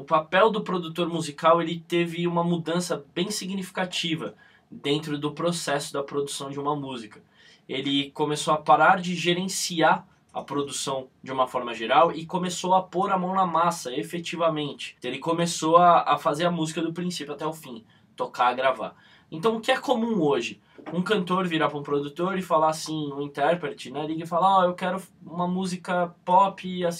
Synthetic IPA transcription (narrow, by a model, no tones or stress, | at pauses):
ʊpapɛwd̪ʊpɾod̪ut̪oɾmuzikawelɪt̪evɪũmɐmud̪ɐ̃sɐbẽj̃siɡnifi̥kat͡ʃivɐ | d̪ẽnt̪ɾʊd̪ʊpɾosɛsʊd̪ɐpɾod̪usɐ̃w̃d͡ʒɪũmɐmuzikɐ̥ | elɪkomesoɐpaɾaɾd͡ʒɪʒeɾẽsia | ɐpɾod̪usɐ̃w̃d͡ʒɪũmɐfɔɾmɐʒeɾawɪkomesoɐpoɾamɐ̃w̃nɐmasɐefet͡ʃivɐmẽnt͡ʃɪ̥elɪkomesoɐɐfazeɾɐmuzikɐd̪ʊpɾĩsipjʊat̪ɛʊfĩ | t̪okaɡɾava̰ | ẽt̪ɐ̃w̃ʊkɪɛkomũoʒɪ | ũkɐ̃nt̪oɾviɾapɾũpɾod̪ut̪oɾɪfalasĩũĩt̪ɛɾpɾet͡ʃɪnaliɡɐɪfalaɔewkɛɾʊũmɐmuzikɐpɔpɪas